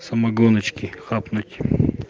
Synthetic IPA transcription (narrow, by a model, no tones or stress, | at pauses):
sɐmɐɡɔnɐt͡ʃkʲɪxapnʊtʲ